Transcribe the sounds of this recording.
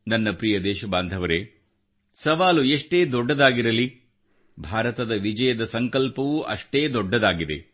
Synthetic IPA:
nɐnːɐpɾijɐd̪ɛːʃɐbaːnd̪ʱɐʋɐɾe | sɐʋaːlueʂʈe̞ːd̪ɔɖːɐd̪aːɡiɾɐli | bʱaːɾɐt̪ɐd̪ɐʋid͡ʒɐjɐd̪ɐsɐŋkɐlpɐʋuʔɐ̰ʂʈe̞ːd̪ɔɖːɐd̪aːɡid̪e̞̰

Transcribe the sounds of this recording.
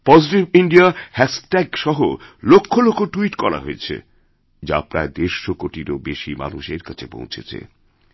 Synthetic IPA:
pɔd͡ʑiʈibiɳɖiahɛsʈɛɡʃɔɦolokʰːolokʰːoʈuiʈkɔɾa̰ɦoet͡ɕʰḛ | d͡ʑa̰pɾa̰ed̪eɾʃokoʈiɾobeʃima̰nuʃeɾkat͡ɕʰepõ̰w̃t͡ɕʰet͡ɕʰḛ

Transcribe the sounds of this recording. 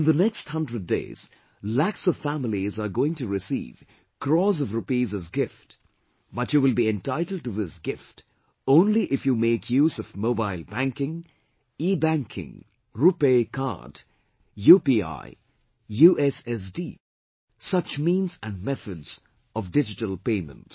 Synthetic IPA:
ɪ̃nðənɛkst̚hʌ̃ndɹɨd̚dḛɪz̥ | læksʌv̥fæml̩ˠizəɹɡoɪ̃ŋtɨɹɪsḭːv̥ | kʰɹɔzʌvɹupizɨzɡɪft | b̥ʌtjuwɪlˠbiɛ̃ntaɪɾl̩ˠd̚tɨðɪsɡɪft | õʊ̃nliʔɪfjumeɪkʰjuːzʌvmoʊbaɪlˠbæ̃ŋkɪ̃ŋ | ibæ̃ŋkʰɪ̰̃ŋ | ɹupekʰɑ̰ɾd | jupia̰ɪ | juʔɛsɛs̬diː | sʌt͡ʃmĩːnzɨ̃nmɛθədz̥ | ʌvdɪd͡ʒɨtəlˠpẽɪmə̰̃nt

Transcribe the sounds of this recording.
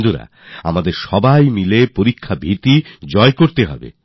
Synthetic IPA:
d̪uɾa̰ | a̰mad̪eɾʃɔbajmilepoɾikʰːabʱit̪id͡ʑɔekoɾt̪eɦɔ̰bḛ

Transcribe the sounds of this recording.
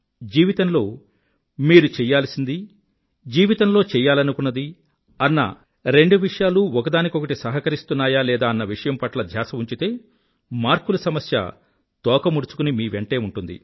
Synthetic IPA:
d͡ʒiːʋit̪ɐnlo̞ː | miːɾut͡ʃɛjːaːlɐsind̪i | d͡ʒiːʋit̪ɐnlo̞ːt͡ʃɛjːaːlɐnukunːɐd̪i | ɐnːɐ̰ | ɾe̞ɳɖuʋiʂɐjaːluɔkɐd̪aːnikiokɐʈisɐɦɐkɐɾist̪unːaːjaːlɛːd̪aːɐnːɐʋiʂɐjɐmpɐʈlɐd̪ʱjaːsɐuɲt͡ʃit̪e̞ː | maːɾkulɐsɐmɐsjɐ̰ | t̪ɔːkɐmuɽut͡ʃu̥kunimiːʋe̞ɳʈe̞ːuɳʈund̪ḭ

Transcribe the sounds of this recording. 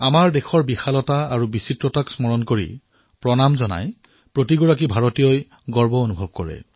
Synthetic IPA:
amaɹdexʰɔɹbixalɔtaaɹubisitɹɔtaksmɔɹɔnkoɹḭ | pɹɔnamzɔna̰j | pɹotiɡɔɹak̬ibʱaɹotijɔj | ɡɔɹbɔonubʱɔb̚kɔɹɛ̰

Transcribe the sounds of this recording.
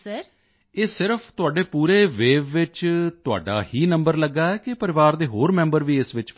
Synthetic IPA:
eːsɪɾəpʰt̪ʊaːɖeːpuːɾeːʋeːʋːɪt͡ʃt̪ʊa̰ːɖa̰ːɦiːnə̃mbəɾləɡːaːɛːkɪpəɾɪʋaːɾd̪eːɦoːɾmɛ̃ːmbəɾʋiːɪsʋɪt͡ʃ

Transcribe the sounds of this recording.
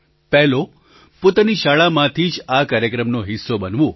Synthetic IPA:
pɛɦlo | pot̪aniʃaɭamãt̪ʰid͡ʒakaːɾjəkɾəmnoɦɪsːobənʋũ

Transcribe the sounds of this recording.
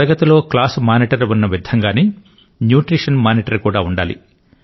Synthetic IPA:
ɾɐɡɐt̪ɐlo̞ːklaːsmaːniʈɐɾʋunːɐʋid̪ʱɐŋɡaːneː | njuːʈɾiːʂɐnmaːniʈɐɾkuːɽaːuɳɖaːlḭ

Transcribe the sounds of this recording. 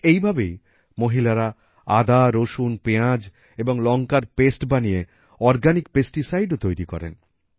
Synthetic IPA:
ejbʱabej | moɦilaɾa | ad̪aɾoʃunpeãd͡ʑ | eboŋlɔŋkaɾpesʈbanije | ɔɾɡanikpesʈisajɖot̪ojɾikɔ̰ɾḛn

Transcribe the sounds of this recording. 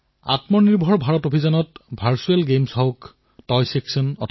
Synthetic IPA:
a̰tmɔniɹbʱɔɹbʱaɹɔtobʱizɔnɔtbʱaɹsuelɡemsɔʊk | tɔjseksɔnɔ̰tʰ

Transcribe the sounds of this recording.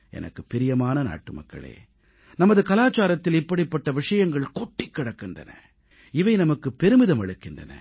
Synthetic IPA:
ɛ̰nɐ̰kːɯpɪɾɪjɐmaːnɐna̰ːʈːɯmɐ̰kːɐ̰ɭḛː | nɐmɐðɯkɐlaːt͡ʃaːɾɐt̪ːɪlɪpːɐɽipːɐʈːɐʋɪʂɐjɐŋɡɐɭkɔʈːɪkːɪɽɐkːɯndrɐ̰nɐ̰ | ɪʋɐɪnɐmɐkːɯpːɛɾɯmɪðɐmɐɻɯkːɪndrɐ̰nɐ̰

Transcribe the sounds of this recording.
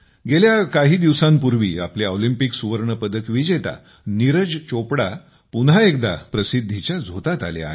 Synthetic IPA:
ɡeljakaɦiːd̪iʋsãmpuɾʋḭːa̰pleolimpiksuʋəɾɳəpəd̪əkʋid͡ʑet̪a̰ | niɾəd͡zt͡ɕopɽa | punɦaek̚d̪apɾəsid̪ʱːit͡ɕjad͡zʱot̪at̪a̰lḛa̰ɦe

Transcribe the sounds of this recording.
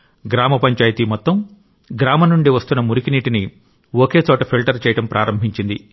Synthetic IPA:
ɡɾaːmɐpɐɲt͡ʃaːjit̪iːmɔt̪ːɐm | ɡɾaːmɐnuɳɖiʋɐst̪unːɐmuɾikiniːʈini | okeːt͡ʃɔːʈɐpʰilʈɐɾt͡ʃɛːjɐʈɐmpɾʔaːɾɐmbʱiɲt͡ʃind̪i

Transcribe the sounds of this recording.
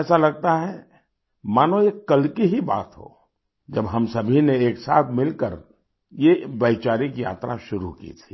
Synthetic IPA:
ɛːsalɐɡ̚t̪aɦɛ | maːnõjekɐlkiɦiba̰ːt̪ɦo̰ː | d͡ʒɐbɦɐmsɐbʱineeːksaːt̪ʰmɪlkəɾ | jebɐt͡ʃaːɾikija̰ːt̪ɾaʃʊɾṵkḭt̪ʰi̥ː

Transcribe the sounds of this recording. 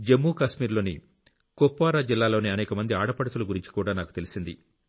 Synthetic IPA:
d͡ʒe̞mːuːkaːʃmiːɾlo̞ːnḭ | kopːʋaːɾaːd͡ʒilːaːlo̞ːniɐnɛːkɐmɐnd̪iaːɽɐpɐɽɐt̪uluɡuɾiɲt͡ʃi̥kuːɽaːnaːku̥t̪e̞lisind̪ḭ

